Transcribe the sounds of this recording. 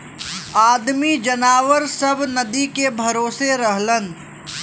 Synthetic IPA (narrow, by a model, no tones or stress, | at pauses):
aːd̪mid͡ʒɐnaːʋəɾsɐbnɐd̪ikebʱɐɾoːseɾəɦlən